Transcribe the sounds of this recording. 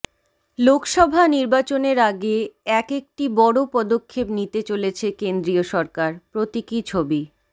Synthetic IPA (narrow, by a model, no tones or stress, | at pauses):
lokʃɔbʱaniɾbat͡ɕoneɾaɡeɛkek̚ʈibɔɽopɔd̪okʰːepnit̪et͡ɕolet͡ɕʰekend̪ɾioʃɔɾkaɾpɾot̪ikit͡ɕʰobi